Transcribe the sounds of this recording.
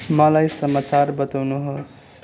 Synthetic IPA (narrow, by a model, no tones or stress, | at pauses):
mʌlajsəmat͡saɾbʌt̪awnuɦos